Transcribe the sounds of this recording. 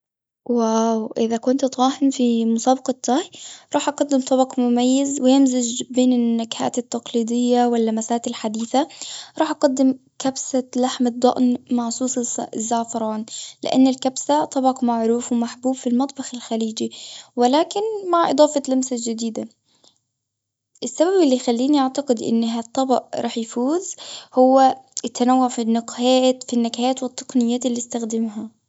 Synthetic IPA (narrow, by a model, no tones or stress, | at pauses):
wawʔɪðakʊnt̪t̪ˤɑːɦɪnfimʊsɑːbɑqɑt̪ˤːɑːhjɾˤɑːħʔɑqɑd̪ːɪmt̪ˤɑbɑqmʊmajːɪzwɪjɪmzad͡ʒbeːnɪnːakha̰ːt̪ɪt̪ːɑqliːd̪ˤɪjːawɪlːamasaːt̪ɪlħad̪iːθaɾˤɑːħʔɑqɑd̪ːɪmkabsalaħmɪd̪ˤːɑ̰ʔnmaʕsˤuːsˤzːaʕfɑɾˤɑːnlɪ̰ʔa̰nːalkabsat̪ˤɑbɑqmaʕɾuːfwmaħbuːbfilmɑt̪ˤbɑxɪlxaliːd͡ʒiwɪlaːkɪnmaʕʔɨd̪ˤɑːfɑlamsad͡ʒɪd̪iːd̪a | ʔɪsːababɪlːijxalːiːniʔaʕt̪ɑqɪd̪ʔɪ̰nːɦat̪ˤːɑbɑ̰ʔɾˤɑːħjfuːzhʊwːaat̪ːanawːaʕfinːʊqhaːt̪finːakajaːt̪wɨt̪ˤːɑ̥qnɪjːaːt̪ɪlːist̪axd̪ɪmɦa